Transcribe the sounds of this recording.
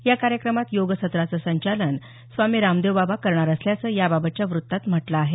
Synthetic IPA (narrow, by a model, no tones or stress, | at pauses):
jakaɾjəkɾəmat̪joɡəsət̪ɾat͡səsəɲt͡ɕalən | sʋamiːɾamd̪eʋbabakəɾɳaɾəsljat͡səːjababət̪̚t͡ɕjaʋɾut̪ːat̪m̤əʈlaːɦe